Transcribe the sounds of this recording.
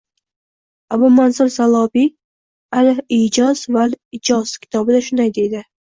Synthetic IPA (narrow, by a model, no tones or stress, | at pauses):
abʊmansʊɾsalˠɒbi | alɪhid͡ʒɒzvalɪd͡ʒɒz̥kʲʰɪ̥t̪ʰɒbɪd̪aʃʊnd̪ajd̪e̞d̪ɪ